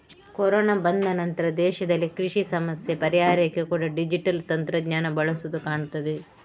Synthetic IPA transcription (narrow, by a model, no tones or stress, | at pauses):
kɔɾoːnabɐnd̪ɐnɐnt̪ɐɾɐd̪ɛːʃɐd̪ɐlːikɾiʂisɐmɐsjepɐɾijaːɾɐkːekuːɽɐɖid͡ʒiʈɐlt̪ɐnt̪ɾɐɡɲaːnɐbɐɭɐsuʋud̪ukaːɳut̪ːɐd̪e